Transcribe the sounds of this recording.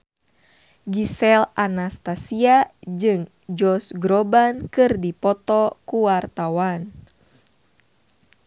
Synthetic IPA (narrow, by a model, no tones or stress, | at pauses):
ɡisɛlanast̪asiad͡ʒɨŋ | d͡ʒɔsɡɾɔbankɨrdipɔt̪ɔkuwart̪awan